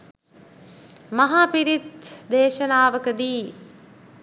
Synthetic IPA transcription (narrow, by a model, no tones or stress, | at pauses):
mɐɦaːpiɾit̪d̪eːʃɐnaːʋəkəd̪iː